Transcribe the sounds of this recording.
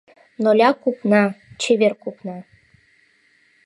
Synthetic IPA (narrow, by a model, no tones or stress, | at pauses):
nolʲɑkupnɑt͡ɕeβerkupnɑ